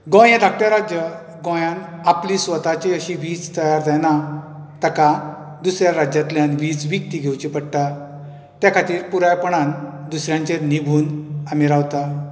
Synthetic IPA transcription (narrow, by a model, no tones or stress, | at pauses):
ɡɔ̃jãd̪ʱakʈjaɾad͡ʑjə | ɡɔ̃jãnaplisʋət̪at͡ɕeəɕĩʋiːd͡zt̪əjaɾd͡zajna | t̪əka | d̪usɾjaɾad͡ʑat̪ljãnʋiːd͡zʋik̚t̪iɡʱewt͡ɕipəɽʈ̪a | t̪jakʰat̪iːɾpuɾajpɔɽand̪usɾjãɲt͡ɕeɾnibʱuːnamiɾawt̪a